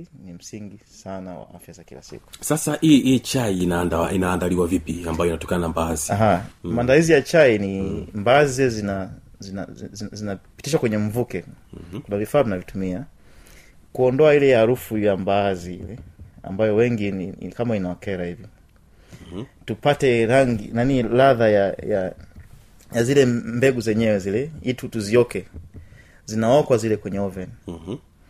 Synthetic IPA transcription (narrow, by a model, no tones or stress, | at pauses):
nim̩siŋɡisanawa̰a̰fjazakila̰sḭku̥sasaiit͡ʃainanainaːndaliwavipiambajɔinatɔ̥kananambaziaɦamaːndalizijat͡ʃainimbaziɛzinazina̰zzinapi̥tiʃwakwɛɲɛɱ̩vukɛkunavifaːunavitumia | kuɔndɔailɛhaɾufujambaːziḭlɛa̰mbajɔwɛŋɡinḭkamainaɔkɛɾahivi | tupatɛɾaŋɡḭnanilaðajaja | jazilɛmbɛɡuzɛɲɛwɛzilɛitutuziɔkɛ | zinaɔkwazilɛkwɛɲɛɔvɛn